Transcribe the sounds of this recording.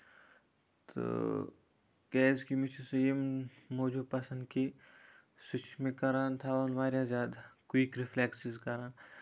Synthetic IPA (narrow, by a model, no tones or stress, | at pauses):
t̪o̰ | ɡɛːzkimit͡ʃʰusɐjimmoːd͡ʒupɐsɐ̃nd̪ki | sut͡ʃʰmẽkɐɾaːnt̪ʰaonʋaːɾjazaːd̪kwiːkɾifʰleːksizkɐɾaːn